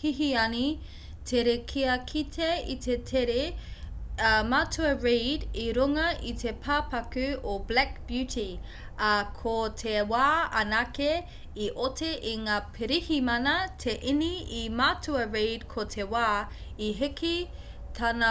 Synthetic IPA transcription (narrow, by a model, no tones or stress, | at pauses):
hiɦiɐni | tʰeɾekʰiɐkʰitʰeitetʰeɾe | matʰʉɐɹediɾuŋɐʔitʰepʰaːpɐkʉoblɛk̚b̥jʉti | ɐkʰotʰewaːɐnake | iʔotʰeʔiŋaːpʰeɾihimɐnɐtʰeʔiniimatʉɐɹedkʰotʰewaːiɦiki | tʰanɐ